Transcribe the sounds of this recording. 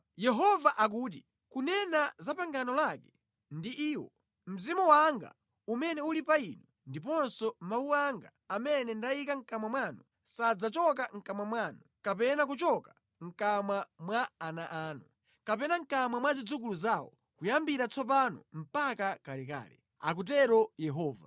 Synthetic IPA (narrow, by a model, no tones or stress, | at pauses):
jɛɦɔvaʔak̬uːt̬i | kunɛnazapaŋɡanɔlakɛ̥ | ndiʔiːwɔ | m̩zimuwaŋɡa̰ | umɛnɛulipainu | ndip̬ɔnsɔmawuaŋɡaːmɛnɛndaikaŋ̩kamwamwaːnu | sad͡zat͡ʃɔk̬aŋ̩kamwamwaːnukapɛnak̬ut͡ʃɔka | ŋ̩kamwamwaːnaʔaːnu | kapɛnaŋ̩kamwamwazid͡zuk̬uluzaːwɔ̰ | kujambiɾat͡sʰɔp̬anɔ̰m̩pakakalɛka̰ːlɛ̰ | a̰k̬ut̬ɛɾɔjɛɦɔːva̰